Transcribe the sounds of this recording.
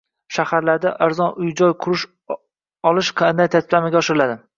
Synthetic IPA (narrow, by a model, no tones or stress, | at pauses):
ʃahaɾlaɾd̪aʔaɾzɒnʊjd͡ʒɒjqʰʊɾɪʃ | ɒlˠɪʃqʰɑnd̪ajt̪ʰat̪ʰɪblamaɡʲaɒʃɪɾɪlad̪ɪ